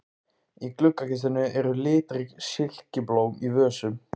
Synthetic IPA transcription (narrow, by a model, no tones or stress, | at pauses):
iklʏkːakɪst̪ɪnʏʔɛɾʏlɪːt̪ɾɪɣsɪl̥cɪploːwivœːsʏm